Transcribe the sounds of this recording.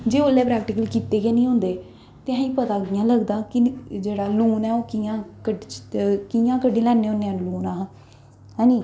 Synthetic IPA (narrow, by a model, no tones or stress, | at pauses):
d͡ʒeːoːlːɛːpɾɛːk̚ʈɪkəlkiːt̪eːɡeːnĩːɦõnd̪eː | t̪eɦãːĩːpət̪aːɡɪjãːləɡd̪aːkɪd͡ʒeːɽaːluːnɛːoːkijãːkəɖkijãːkəɖẽːlɛːnːẽːʊnːeːãːnluːnãː | ɦɛ̃ːnd͡ʒiː